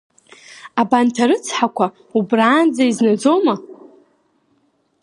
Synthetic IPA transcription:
abantʰaɾɨt͡sʰħakʷʰa | ubraːnd͡zaiznad͡zoma

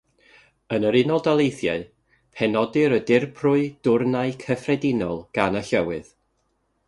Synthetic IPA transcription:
ənəɾɪnɔlˠdalˠejθjaɨ | pʰɛnɔdɨɾədɪrpʰrʊɨd̥ʊrnaɨkʰəfrɛdɪnɔlˠɡ̥anəɬəwɨð

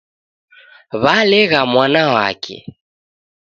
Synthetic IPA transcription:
βalɛɣamwanawa̰kʰɛ̰

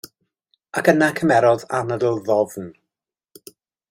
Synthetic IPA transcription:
akənakʰəmɛɾɔða̰nədəlˠðɔvn

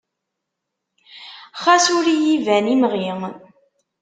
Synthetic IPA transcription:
χasuɾijivænimʁi

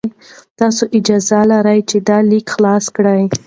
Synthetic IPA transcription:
t̪ɑsoʔɪd͡ʒɑzalaɾajt͡ʃed̪ɑlikxlɑskɽaj

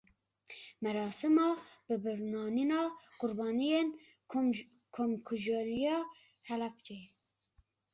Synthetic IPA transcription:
mɛɾɑːsɨmɑb̥ɨbɨɾnɑːninɑːqʊɾbɑːnijen | kʰomkʰuʒolijɑː | hɛlɑpd͡ʒe

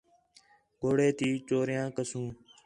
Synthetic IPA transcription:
ɡoːɽeːt̪iːt͡ʃoːɾɪjãːkəsũː

